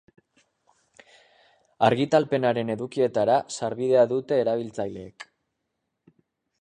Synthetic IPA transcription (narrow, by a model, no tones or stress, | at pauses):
aɾɣit̪alpe̞naɾe̞ne̞ðukie̞t̪aɾasaɾβiðe̞aðut̪e̞ːɾaβ̞ilt͡sajle̞ːk